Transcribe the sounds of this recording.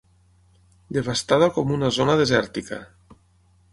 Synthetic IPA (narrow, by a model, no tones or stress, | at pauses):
d̪eβast̪aðakomunazonaðezɛɾt̪ika̰